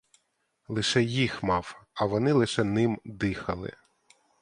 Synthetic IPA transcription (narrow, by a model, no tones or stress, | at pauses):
lˠɪʃɛjixmɑwɐʋɔnɪlˠɪʃɛnɪmd̪ɪxɐlˠɪ̰